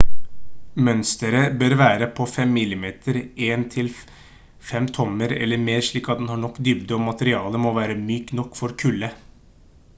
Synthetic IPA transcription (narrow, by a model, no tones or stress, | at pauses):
mœnst̪əɾəbøːɾʋæːɾəpʰɔfɛmːɪlːɪmeːt̪ʰəɾeːnt̪ʰɪl | fɛmt̪ʰɔməɾɛ̰lːəɾmeːɾʂɭiːkɑt̪̚d̪ɛnhɑːɳɔkːd̪ʏbd̪əɔmmɑt̪əɾɪɑːləmɔʋæːɾəmyːknɔkːfɔɾkʰʉlə